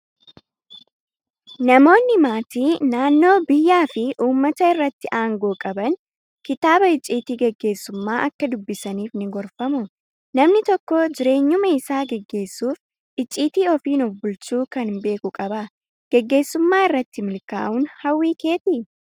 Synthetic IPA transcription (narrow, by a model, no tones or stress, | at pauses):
nɐmo̞ːnːɪmaːt̪iːnaːnːo̞ːbɪjːaːfɪʔuːmːɐt̪ɐɪrːɐt̪ːɪʔaːŋɡo̞ːkʼɐbɐn | kɪt̪aːbɐɪt͡ʃʼːiːt̪iːɡɛɡːe̞ːsːʊmːaːʔɐkːɐd̪ʊbːɪsɐniːfnɪɡɔɾfɐmʊ | nɐmnɪt̪ɔkːɔd͡ʒɪɾe̞ːɲːʊmɐɪsaːɡɛɡːe̞ːsːuːf | ɪt͡ʃʼːiːt̪iːɔfiːnɔfbʊlt͡ʃuːkɐnbe̞ːkʊkʼɐbɐ | ɡ̥ɛɡːe̞ːsːʊmːaːɪrːɐt̪ːɪmɪlka̰ːʔuːnhɐwːiːke̞ːt̪ɪ